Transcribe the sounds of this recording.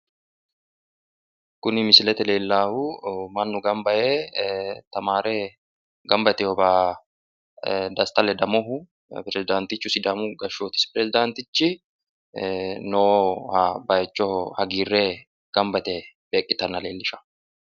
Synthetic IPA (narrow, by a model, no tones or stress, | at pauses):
kʊnɪmɪsɪlɛt̪ɛle̞ːlːaːhʊmɐnːʊɡɐmbɐʔeːt̪ɐmaːɾeː | ɡɐmbɐt̪ɛhɔbaː | d̪ɐst̪ɐlɛd̪ɐmɔɦʊ | pɾɛzɪd̪aːnt̪ɪt͡ʃːʊsɪd̪ɐmʊɡɐʃoːt̪ɪ̥spɪɾɛzɪd̪aːnt̪ɪt͡ʃːɪ | no | bɐjɛt͡ʃːɔhɐɡiːrːeː | ɡ̥ɐmbɐt̪ɛb̥e̞ːkʼːɪt̪ɐnːɐleːlːɪʃɐ̥